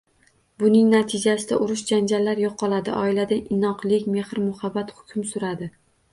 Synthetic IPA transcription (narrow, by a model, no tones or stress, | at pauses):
bʊnɪŋnat̪ʰɪd͡ʒasɪd̪aʔʊɾʊʃd͡ʒand͡ʒalːaɾjɒqʰːɒlˠad̪ɪʔɒɪlad̪aɪnɒqlˠɪkʲme̞hɾmʊhabːat̪hʊ̥kʲʰʊmsʊɾad̪ɪ